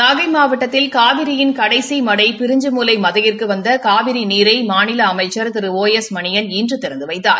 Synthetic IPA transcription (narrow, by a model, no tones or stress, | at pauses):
naːɣɐɪmaːʋɐʈːɐt̪ːɪlkaːʋɪɾɪjɪnkɐɽɐɪsimɐɽɐɪpɪɾɪɲd͡ʒɯmuːlɐɪmɐðɐjɪrkɯʋɐnd̪ɐkaːʋɪɾiniːɾɐɪmaːnɪlɐːmɐɪt͡ʃːɐɾt̪ɪɾɯoːjɛsmɐnɪjɐniːndrɯt̪ːɪɾɐnd̪ɯʋɐɪt̪ːa̰ːɾ